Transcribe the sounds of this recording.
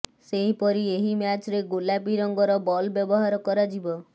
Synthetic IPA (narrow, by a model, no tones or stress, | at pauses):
seɦipɔɾieɦimjat͡ʃɾeɡolapiɾɔŋɡɔɾɔbɔlbjɔbɔɦaɾɔkɔɾɔd͡ʒibɔ